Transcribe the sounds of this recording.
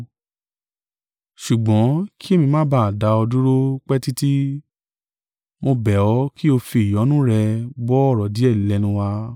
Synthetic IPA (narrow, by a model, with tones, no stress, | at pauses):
ʃu˨ɡ͡bɔ̃˨˦ki˦e˦mĩ˧mã˦ba˦˨a˨da˧˦ɔ˧du˦ɾo˦k͡pɛ˦ti˦ti˦ | mo˧bɛ˨ɔ˨˦ki˦o˧fi˧˨i˨jɔ˨˦nũ˦ɾɛ˧bɔ˦ɔ˦˨ɾɔ˨di˨˦ɛ˦˨llɛ˨˧˦nũ˧wa˧